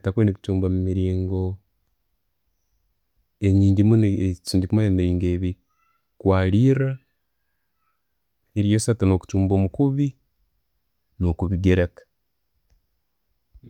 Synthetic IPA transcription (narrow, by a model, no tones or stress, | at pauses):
takweːneku̥t͡ʃuːmbamumiɾiːŋɡo̞ | eɲiːɲɟimunit͡ʃiːɲɟikumaeniɾiːŋɡeːβi | kwaːliɾa | eɾijosatano̞ːku̥t͡ʃuːmboːmukuβi | nokuβiɡeɾekḁ